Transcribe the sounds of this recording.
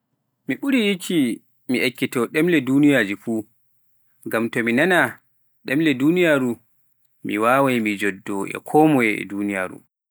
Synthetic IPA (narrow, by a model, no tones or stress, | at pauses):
miɓuɾijikʰi | miʔekːitɔɗɛmlɛdunijad͡ʒifuː | ɡamtɔminana | ɗɛmlɛdunijaɾu | mḭwawajmid͡ʒɔdːɔʔɛ̰kʰɔmɔjɛɛ̰dunijaɾṵ